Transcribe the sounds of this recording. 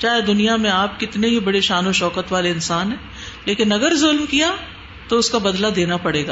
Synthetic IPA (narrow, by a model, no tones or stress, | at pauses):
t͡ʃaːɦed̪ʊnijamẽaːp̚kɪt̪neɦibɐɽeʃaːnoʃɔːkət̪ʋaːleɪnsaːnɦeː | leːkɪnɐɡəɾzʊlmkija | t̪oʊskabɐd̪lad̪eːnapɐɽeːɡaː